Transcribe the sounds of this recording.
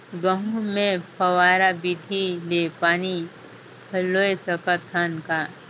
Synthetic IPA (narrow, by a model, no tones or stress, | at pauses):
ɡəɦũmẽpʰɐwaːɾabid̪ʱilepaːni | pʰɐlːoesəkət̪ʰːanka